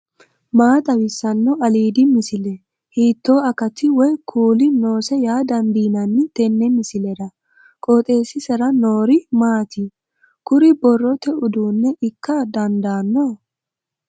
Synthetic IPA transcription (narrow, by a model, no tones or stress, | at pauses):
maːt̪ʼɐwɪsːɐnːɔɐliːd̪ɪmɪsɪlɛ | hiːt̪ːoːɐkɐt̪ɪwɔjkʰuːlɪno̞ːsɛjaːd̪ɐnd̪iːnɐnːɪt̪ɛnːɛmɪsɪlɛd̪ɐ | kʼot̪ʼe̞ːsɪsɛɾɐnoːɾɪmaːt̪ɪ | kʊɾɪbɔrːɔt̪ɛʊd̪uːnːɛʔɪkːɐd̪ɐnd̪aːnːɔ